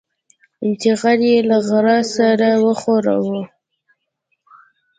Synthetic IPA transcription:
ɪnt̪ɪɣaɾjelaɣaɾɑsaɾawəχoɾa̰wə

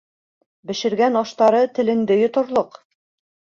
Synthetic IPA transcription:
bɘ̆ʃɘ̆ɾɡænɑʃt̪ɑɾɤt̪ɘ̆lɘ̆ŋd̪ɘjŏt̪ŏɾlˠoq

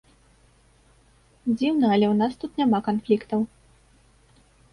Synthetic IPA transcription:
d͡zʲiwnɐɐlʲɛwnast̪ut̪nʲamakanflʲikt̪ɐw

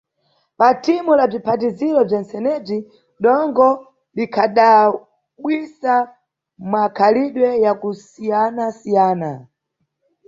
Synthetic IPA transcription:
patʰimulab͡ʐipʰat̬izilɔb͡ʐansɛnɛb͡ʐi | ɗɔŋɡɔ | likʰaɗa | ɓwisa | makʰaliɗwɛjakusijanasijaːna

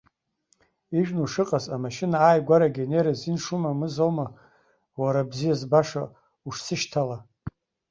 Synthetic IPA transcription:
iʒᶣnuʂɨqʼazamaʃinaːjɡʷaɾaɡʲeneɾazinʂumamɨzoma | waɾabzijazbaʂa | uʂsɨʃtʰala

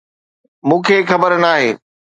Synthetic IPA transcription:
mũːkʰeːxɐbəɾnaːɦeː

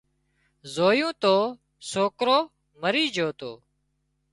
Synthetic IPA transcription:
zoːjũːt̪oː | soːkɾoː | məɾiːd͡ʒʱoːt̪o̰ː

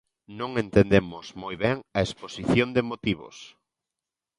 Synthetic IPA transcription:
nõŋent̪end̪emʊzmojβɛŋɐesposiθjond̪emot̪iβo̰s

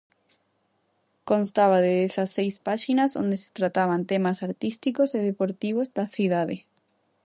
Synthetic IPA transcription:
konst̪aβaðeesasejspaʃinazo̰nd̪ese̥t̪ɾat̪aβ̞ant̪emasaɾt̪ist̪ikoseðepoɾt̪iβozd̪aθjuðaðe

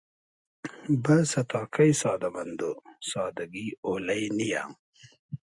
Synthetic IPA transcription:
bɐsɐt̪ɑːkʰɐjsɑːd̪ɐmɐnd̪osɑːd̪ɐɡioːlɐjnija̰ŋ

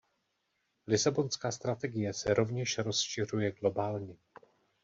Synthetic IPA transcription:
lɪsabo̞nskaːst̪ɾat̪ɛɡɪjɛsɛɾo̞vɲɛʃɾo̞sʃɪr̝ujɛɡlo̞baːlɲɛ

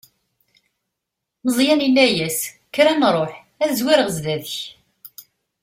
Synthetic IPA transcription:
məzˤjæninːæjæs | kːɾænɾˤoħ | æðzwɪɾəʁəzðæðəç

